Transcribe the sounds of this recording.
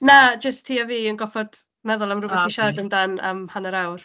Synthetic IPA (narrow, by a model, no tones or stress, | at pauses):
nad͡ʒəstʰiːaviːənɡɔfɔd̥ | mɛðʊlˠamrʊbɛθiʃadəmdanə̰mhanəɾawr